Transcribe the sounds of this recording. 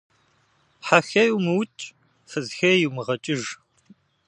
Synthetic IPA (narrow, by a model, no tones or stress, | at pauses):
ħaxɐjuwmɨwt͡ʃʼ | fɨzxɐjiwmɨʁɐt͡ʃʼɪʒ